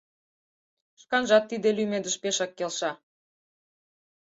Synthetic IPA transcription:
ʃkɑnʒɑt̪ːid̪elymed̪ə̆ʃpeʃɑkːelʃɑ

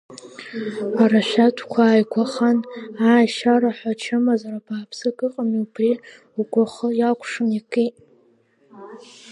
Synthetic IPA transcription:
aɾaʃʷᶣatʰkʷʰaːjɡʷaχanaːjʃaɾaħʷat͡ʃʰɨmazaɾapʰaːpʰsɨkʼɨqʼamiupʰri | uɡʷʼaχəjakʷʰʂɨmikʰʼitʼ

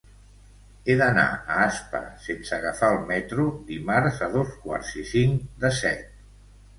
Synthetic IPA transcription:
eðəna̰əaspə̰sensəɣəfaəlˠmɛt̪ɾud̪imaɾzəðoskwa̰ɾzisiŋd̪əsɛt̪̚

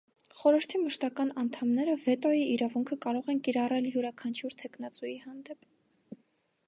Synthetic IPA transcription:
χɔɾəɾt̪ʰiməʃt̪ɑkɑnɑnt̪ʰɑmnɛɾəvɛt̪ɔjiiɾɑvuŋkʰəkɑɾɔʁɛnkiɾɑrɛljuɾɑkʰɑnt͡ʃʰjuɾt̪ʰɛkʰn̪ɑt͡sujihɑnd̪ɛp

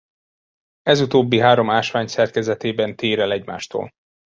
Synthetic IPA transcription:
ɛzut̪oːbːiɦaːɾo̞maːʃʋaːɲsɛrkɛzɛt̪eːbɛnt̪eːɾɛlɛɟma̰ːʃt̪o̰ːl

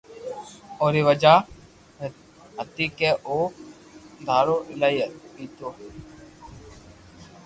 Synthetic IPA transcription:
oːɾiːʋəd͡ʒaː | ɦət̪iːkeːʔoː | d̪ʱaːɾoːʔɪlaːiət̪piːt̪oː

